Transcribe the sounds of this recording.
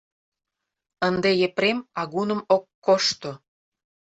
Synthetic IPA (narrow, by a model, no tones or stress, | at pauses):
ənd̪ejepɾemɑɣunə̆mokːoʃt̪o